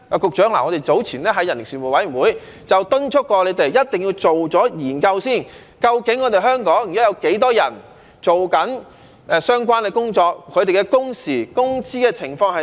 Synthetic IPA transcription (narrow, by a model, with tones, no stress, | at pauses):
aː˨˩kʊ˨k̚t͡ʃœː˨˥ŋla̰ː˨˩ŋɔ˨˧te˨jt͡so˨˥wt͡sʰiː˨˩nɛː˥ɦɐ˧˥jːɐ˨˩nɪ˨˩ŋsiː˨˩mu˨˩wɐ˨˥jy˨˩wuː˨˧˥j | t͡sɐ˨wt̪ʊ˥nt͡ʃʰʊ˥k̚ːɔː˧le˨˧jt̪e˨˩jːɐ˥t̚t̪ɪ˨˩ŋji˧wt͡so˨wt͡sɔː˨˥jiː˨˩nkɐ˧wsiː˥˩n | kɐ˧wkɪ˨˥ŋːɔː˨˧t̪e˨˩jɦœː˥ŋkɔː˨˥ŋ˨˩jaː˨˥jɐ˨˧wke˨˥jt̪ɔː˥jɐ˨˩n | t͡so˨wkɐ˨˥n | ʔːsœː˥ŋkwaː˥nkɛ˧kʊ˥ŋt͡ʃɔː˧k̚kʰɵ˨˧ɥt̪e˨jkɛː˧kʊ˥ŋsiː˨˩kʊ˥ŋt͡siː˥kɛː˧t͡sʰɪ˨˩ŋfɔː˧ŋhɐ˨